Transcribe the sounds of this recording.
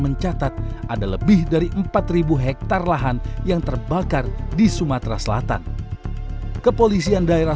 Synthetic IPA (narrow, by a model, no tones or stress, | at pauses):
məɲt͡ʃat̪at̪̚ʔadaləbɪhdaɾiʔəmpat̪ribuɦɛk̚t̪arlaɦanjaŋt̪ərbakardisumat̪ɾasəla̰t̪a̰n | kəpolisiandaeɾa